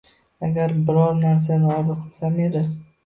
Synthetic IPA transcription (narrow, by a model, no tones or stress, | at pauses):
aɡʲaɾbɪɾɒɾnaɾs̬anɪɒɾd̪ɨqʰɨlˠsame̞d̪ɪ